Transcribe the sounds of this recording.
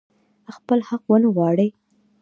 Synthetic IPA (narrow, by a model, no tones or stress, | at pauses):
xpəlhaqwənəwɑɽəj